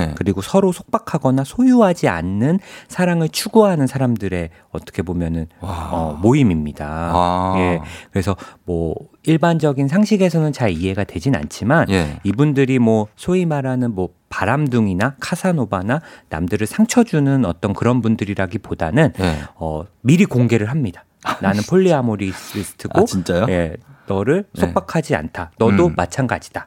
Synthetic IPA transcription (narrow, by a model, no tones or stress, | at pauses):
kɯɾiɡosʰʌɾosʰo̥k̚pakʰaɡʌnasʰojuɦad͡ʑia̰nːɯnsʰaɾaŋɯɭt͡ɕʰuɡuɦanɯnsʰaɾamdɯɾe̞ | ʌt͈ʌ̥kʰe̞bomjʌnɯnʌmoimimɲidaje̞kɯɾe̞sʰʌmwʌ | iɭband͡ʑʌɡins̬ʰaŋɕʰiɡe̞sʰʌnɯnt͡ɕaɭiɦe̞ɡadwe̞d͡ʑina̰nt͡ɕʰimanibundɯɾimwʌsʰoimaɾanɯnmwʌ | paɾamduŋinakʰasʰanobanana̰mdɯɾɯɭsʰaŋt͡ɕʰʌd͡ʑunɯnʌt͈ʌnkɯɾʌnbundɯɾiɾaɡipodanɯnʌmiɾikoŋɡe̞ɾɯɭɦamɲidḁ | nanɯnpʰoɭːiamoɾiisʰɯ̥tʰɯɡot͡ɕint͡ɕ͈ajoje̞nʌɾɯɭsʰop͈akʰad͡ʑia̰ntʰanʌdomat͡ɕʰanɡad͡ʑi̥d̥a